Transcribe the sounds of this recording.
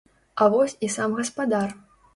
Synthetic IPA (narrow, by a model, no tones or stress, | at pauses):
ɐvɔsʲisamɣɐspad̪ar